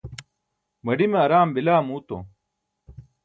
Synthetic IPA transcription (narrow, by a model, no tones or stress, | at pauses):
mɐɖimeɐɾaːmbilaːmuːt̪o̰